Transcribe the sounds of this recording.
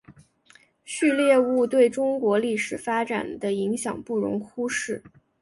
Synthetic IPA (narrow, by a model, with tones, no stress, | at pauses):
ɕy˥˧ljɛ˥˧u˥˧t̪we˥˩ɪʈ͡ʂʊ˥ŋkwɔ˧˥li˥˩ʂɻ̩˨˩fa˥ʈ͡ʂa̰˨˩nd̪ə˦i˧˥ŋɕjɑ˨˩ŋpu˥˩ɻʊ̰˧˥ŋxu˥ʂɻ̩˥˩